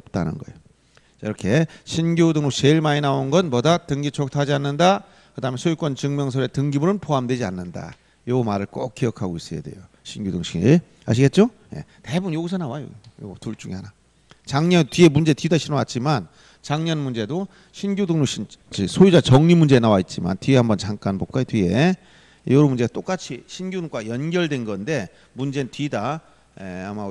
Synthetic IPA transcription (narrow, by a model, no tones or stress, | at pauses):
ʌp̚t͈a̰nɯ̰nɡʌḛjo | t͡ɕaiɾʌkʰe̞ɕʰinɡjodɯŋnot͡ɕeiɭmaɲinaonɡʌnmʌdatɯŋɡit͡ɕʰʌk̚tʰad͡ʑianːɯnda | kɯdaɦmensʰojik͈wʌnt͡ɕɯŋmjʌŋs̬ʰʌɾe̞tɯŋɡibuɾɯnpoɦamdwe̞d͡ʑia̰nːɯnda̰ | jomaɾɯɭk͈ok̚k͈ijʌkʰaɡois͈ʌja̰de̞̰jo | ɕʰinɡodɯŋɕʰi | a̰ɕ̬ʰiɡe̞t̚t͡ɕ͈o | je̞̰ | te̞bunjoɡis̬ʰʌnawajo̰jo̰ɡtuɭt͡ɕ͈uŋihana | t͡ɕaŋɲʌntɥie̞mund͡ʑe̞tɥidaɕʰinʌwat̚t͡ɕ͈iman | t͡ɕaŋɲʌnmund͡ʑe̞do | ɕʰinɡjudɯŋnuɕʰint͡ɕisʰoid͡ʑat͡ɕʌŋɲimund͡ʑe̞nawait̚t͡ɕ͈ima̰ntɥiehambʌnt͡ɕaŋk͈anbok͈ajotɥie | jʌɾomund͡ʑe̞at͈ok͈at͡ɕʰiɕʰinɡjudɯŋk͈wajʌnɡʲjʌɭdwe̞nɡʌnde̞ | mund͡ʑe̞ntɥida | ḛama